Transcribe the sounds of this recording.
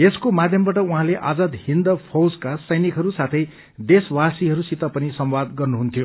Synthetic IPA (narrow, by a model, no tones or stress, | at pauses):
eskomad̪ʱjʌmbaʈʌuɦãleʔad͡zad̪hind̪ʌpʰowskasʌjnikɦʌɾusat̪ʰʌj | d̪eswasiɦʌɾusit̪ʌpʌnisʌmwad̪ɡʌrnuɦunt̪ʰijo